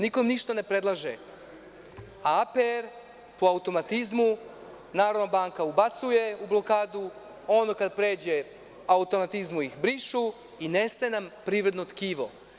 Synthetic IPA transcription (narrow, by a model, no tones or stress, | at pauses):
niko̞mniʃt̪ane̞pɾe̞d̪lˠaʒe | aapeɾ | poaut̪o̞mat̪izmu | naːɾod̪nabaːŋkaubat̪suje̞ublˠo̞kaːd̪u | o̞nokad̪pɾe̞ːd͡ʑe̞ | aut̪o̞mat̪izmujixbɾiʃu | inesenampɾiːʋɾe̞d̪not̪kiːʋo̰